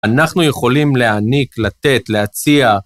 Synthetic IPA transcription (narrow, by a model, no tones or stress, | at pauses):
anaχnuje̞χo̞limleaniklat̪e̞t̪leat͡sia